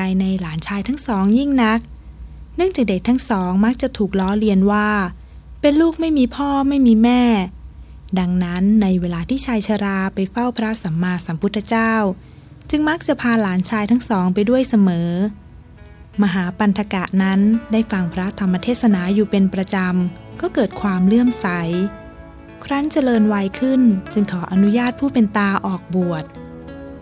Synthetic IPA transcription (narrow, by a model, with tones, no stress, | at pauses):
a˧jna˧jlaː˩˦nt͡ɕʰaː˧jt̪ʰa˦˥ŋsɔː˩˦ŋji˥˩ŋna˦˥k̚ | nɯ˥˩əŋt͡ɕaː˨˩k̚de˨˩k̚t̪ʰa˦˥ŋsɔː˩˦ŋma˦˥k̚t͡ɕa˨˩t̪ʰuː˨˩k̚lɔː˦˥li˧ənwaː˥˩ | pe˧nluː˥˩k̚ma˥˩jmiː˧pʰɔː˥˩ma˥˩jmiː˧mɛː˥˩ | da˧ŋna˦˥nːa˧jweː˧laː˧t̪ʰiː˥˩t͡ɕʰaː˧jt͡ɕʰa˧ɾaː˧pa˧jfa˥˩wpʰɾa˦˥sa˩˦mːaː˧sa˩˦mpʰu˦˥t̪ʰːa˧t͡ɕaː˥˩w | t͡ɕɯ˧ŋma˦˥k̚t͡ɕa˨˩pʰaː˧laː˩˦nt͡ɕʰaː˧jt̪ʰa˦˥ŋsɔː˩˦ŋpa˧jdu˥˩əjsa˧mɤː˩˦ | ma˧ɦaː˩˦pa˧nt̪ʰa˧ka˨˩ʔna˦˥ndaː˥˩jfa˧ŋpʰɾa˦˥t̪ʰa˧mːa˧t̪ʰeː˥˩t̪̚sa˧naː˩˦juː˨˩pe˧npɾa˧t͡ɕa˧m | kɔː˥˩kɤː˨˩t̪̚kʰwaː˧mlɯ˥˩əmsa˩˦j | kʰɾa˦˥ŋt͡ɕa˧lɤː˧nwa˧jkʰɯ˥˩nt͡ɕɯ˧ŋkʰɔː˩˦ʔa˧nu˦˥jaː˥˩t̪̚pʰuː˥˩pe˧nt̪aː˧ʔɔː˨˩k̚bu˨˩ət̪̚